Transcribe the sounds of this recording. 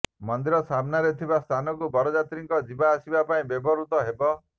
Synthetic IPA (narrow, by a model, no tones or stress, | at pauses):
mɔnd̪iɾɔsabnaɾet̪ʰibast̪ʰanɔkubɔɾɔd͡ʒat̪ɾiŋkɔd͡ʒibaːsibapaĩbebɔɾut̪ɔɦebɔ